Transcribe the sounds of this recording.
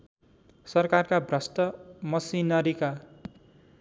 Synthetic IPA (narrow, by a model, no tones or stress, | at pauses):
sʌrkarkabrʌst̪ʌmʌsinʌɾika